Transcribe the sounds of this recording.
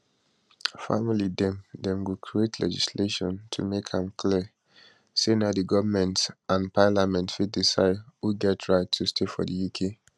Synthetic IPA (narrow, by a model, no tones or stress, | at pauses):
fa̰milidɛ̃mdɛ̃mɡukʰɹietʰlɛ̰d͡ʒisleʃɔ̃ntʰṵmekhãmkʰliə | senadiɡɔvəmɛ̃ntãnpʰalamɛ̃ntfit̚disahuɡɛtʰɹaɪtʰːustʰefɔ̰dijukʰe